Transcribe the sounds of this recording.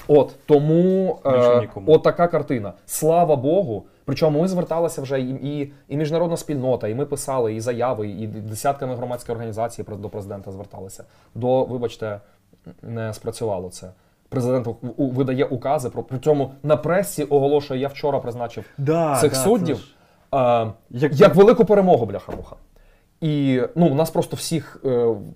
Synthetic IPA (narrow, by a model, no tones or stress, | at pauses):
ɔt̪ːɔmu | ɔt̪ːɐkɑkɐrt̪ɪnɐslˠɑʋɐbɔɦʊ | pɾɪt͡ʃɔmʊmɪzʋert̪ɑlˠɪsʲɐwʒɛi | imʲiʒnɐɾɔd̪nɐsʲpʲilʲnɔt̪ɐimɪpɪsɑlˠɪizɐjɑʋɪid̪esʲat̪̚kɐmɪɦɾɔmɑt͡sʲkɔjɔrɦɐnʲizɑt͡sʲijipɾd̪ɔpɾezɪd̪ɛnt̪ɐzʋert̪ɑ̰lˠɪsʲɐ̥ | d̪ɔʋɪbɐt͡ʃt̪ɛ | nɛspɾɐt͡sʲʊʋɑlˠɔt̪sɛ | pɾezɪd̪ɛnt̪ʋɪd̪ɐjɛʔʊkɑzɪpɾɔpɾʲisʲɔmʊnɐpɾɛsʲːiʔɔɦɔlˠɔʃʊjɛjawt͡ʃɔɾɐpɾɪznɑt͡ʃɪwd̪sɪxsudʲːiw | jɐkʋelˠɪkʊpeɾemɔɦʊblʲɐxɐ̰ɾṵxɐ̥ | inunɑspɾɔst̪ɔwsʲix